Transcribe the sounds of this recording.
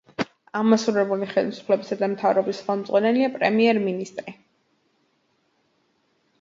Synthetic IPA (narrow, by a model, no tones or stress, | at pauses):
aʁmasuɾɛbuliχɛlisu̥pʰlɛbisad̪amt̪ʰavɾɔbisχɛlˠmd̪zʁwanɛliapʼɾɛmiɛɾminist̪ʼɾi